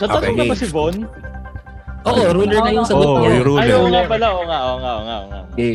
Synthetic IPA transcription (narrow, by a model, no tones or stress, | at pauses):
sɐt̪ɐnoŋɐbɐsɪvon | ʔoːʔoɾunɛɹnɐjʊŋsɐɡʊnajoŋapɐlaʔoŋaʔoŋaʔoŋa̰ʔoŋa̰ʔ